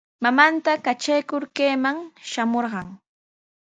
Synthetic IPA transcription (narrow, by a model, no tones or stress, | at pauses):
mamant̪akat͡ʃajkʊɾkeːmaŋʃamoɾɢɑŋ